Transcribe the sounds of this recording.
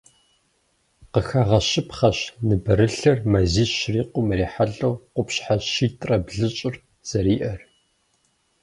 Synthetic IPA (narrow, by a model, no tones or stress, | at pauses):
qəxaːʁɐɕɪpχɐɕnɨbɨɾɨɬɐrmɐziːɕriːqʷʊmriːħaɮɐwqʷʊpɕħaʃiːtʼrɐbɮɨt͡ʃʼɪr | z̥ɐɾiːʔɐr